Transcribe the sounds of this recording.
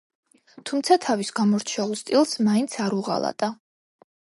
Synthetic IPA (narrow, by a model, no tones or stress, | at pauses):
t̪ʰumt̪sʰat̪ʰavisɡamɔɾt͡ʃʰɛlˠst̪ʼilˠsmaint̪sʰaɾuʁa̰lˠa̰t̪ʼa